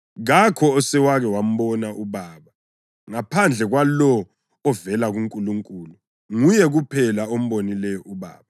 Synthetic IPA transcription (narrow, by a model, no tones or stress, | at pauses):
ɣakʰɔːsɛwaɣɛwam̩ɓɔnaʔuβaːβa | ŋapʰand͡ɮʱɛɣwalɔː | vɛlaɣuŋkʼuluŋkʼuːlu | ŋujɛɣupʰɛlaom̩ɓonilɛjɔʔuβa̰ːβa